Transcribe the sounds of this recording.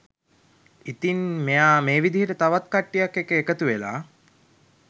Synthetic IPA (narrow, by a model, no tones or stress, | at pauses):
it̪inmejaːmeːʋid̪iɦəɾət̪aʋat̪̚kaʈːijakːekeːkət̪uʋela̰ː